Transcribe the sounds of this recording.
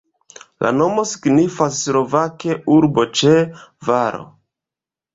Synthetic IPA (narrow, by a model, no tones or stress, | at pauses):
lʔa̰no̞mo̞si̥ɡnifasːɾo̞vake̞uɾbo̞t͡ʃevaɾo̞̰